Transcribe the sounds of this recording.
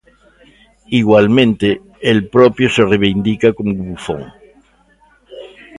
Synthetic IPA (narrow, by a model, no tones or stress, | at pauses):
iɣwalmẽnt̪e | elpɾopjosereβ̞ind̪ikakomoβufõ̰ŋ